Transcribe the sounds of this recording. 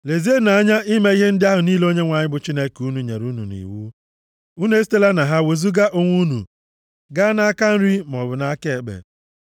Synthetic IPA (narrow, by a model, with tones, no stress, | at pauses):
le˨zi˦e˦na˨a˦ɲa˦ʔi˦me˦i˦ɦe˦n̩˦dɪ˦a˦ɦʊ˨niː˦lo˦ɲe˦ŋʷa˨ɲɪ˦bʊ˨t͡ʃi˦ne˦ku˦nu˨ɲḛ˨ɾu˦nṵ˨nḭ˨wu˦ | u˦ne˦s̬i̥˦te˦la˦na˨ɦa˦we˨zu˦ɡa˦ʔo˦ŋʷu˦nṵ˨ | ɡa˦na˦a˦ka˦n̩˦ɾi˦mɔ˨bʊ˨na˦ke˨e˨ɡ͡bḛ˨